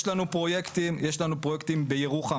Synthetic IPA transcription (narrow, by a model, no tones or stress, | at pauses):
ʃlanupʁo̞jekt̪imjeʃlanupʁojekt̪imbejeʁuχa